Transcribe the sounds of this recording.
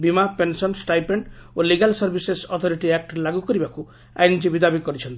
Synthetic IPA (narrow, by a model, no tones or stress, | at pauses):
bimapensɔnsʈajpeɳɖoliɡalsɔɾbʱisesɔt̪ʰɔɾiʈiak̚ʈlaɡukɔɾibaku | a̰jnd͡ʒibid̪abikɔɾit͡ʃʰɔnt̪ii